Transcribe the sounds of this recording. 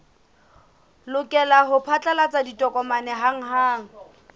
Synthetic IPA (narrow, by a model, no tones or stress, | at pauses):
lʊkʼɛlaɦʊpʰat͡ɬʼalat͡saditʼɔkʼɔmanɛɦaŋ̩ɦaːŋ̩